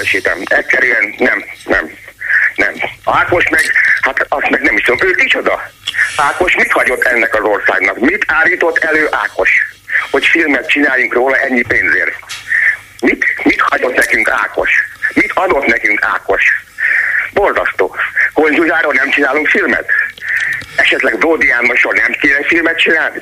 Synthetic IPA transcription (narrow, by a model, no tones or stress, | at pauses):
ʃeːt̪ɛ̰mɛcʲsɛɾyɛnnɛmnɛ̰mnɛmaːko̞ʃmɛɡhat̪ɒst̪mɛɡnɛmiʃt̪ud̪omøːd̪it͡ʃod̪ɒaːko̞ʃmit̪hɒɟo̞t̪ːɛnːɛkɒzo̞rsa̰ːɡnɒkmit̪ʰaːliːt̪o̞t̪ːɛløːʔaːko̞ʃ | ho̞cfilmɛt̪̚t͡ʃinaːjuŋkroːlɒʔɛɲːipeːnzḛːl | mit̪mit̪hɒɟo̞t̪nɛkyŋka̰ːko̞̰ʃmit̪ʰɒd̪ot̪nɛkyŋkʰa̰ːko̞ʃ | bo̞rzɒst̪o̰ːkond͡ʒuʒaːɾoːnɛmt͡ʃinaːluŋkfilmɛ̰t̪ | ɛʃɛt̪lɛɡbroːd̪iaːmːoʃornɛmkeːlɛfilmɛt̪̚t͡ʃinaːlnḭ